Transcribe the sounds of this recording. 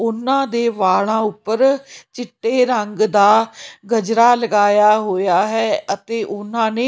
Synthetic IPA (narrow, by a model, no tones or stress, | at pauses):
ʊnːãːd̪eːʋaːɭãːʊpːəɾt͡ʃɪʈːeːɾəŋɡd̪aːɡəd͡ʒɾaːləɡaːjaːɦoːjaːɦɛːət̪eːʔʊnãːneː